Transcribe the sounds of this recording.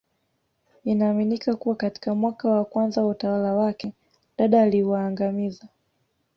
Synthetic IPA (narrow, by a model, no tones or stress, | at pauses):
inaːminikakuwakati̥kamwakawakwanzawautawalawakɛ | ɗaɗaːliwaːŋɡamiza